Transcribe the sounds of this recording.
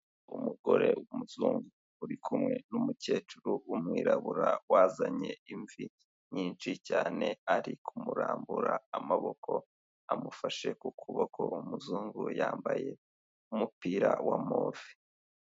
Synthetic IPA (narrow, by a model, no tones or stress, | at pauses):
umuɡo̞ɾe̞wumuzuːŋɡuː | ɾikʰumŋe̞numuce̞ːt͡ʃuɾuumŋiːɾaβuɾawaːzaɲe̞iɱvi | ɲiːnt͡ʃicaːne̞aɾikʰumuɾaːmbuɾaamaβo̞kʰo̞ | amufaʃe̞kukʰuβokʰo̞umuzuːŋɡujaːmbaje̞ | umupiːɾawamoːvi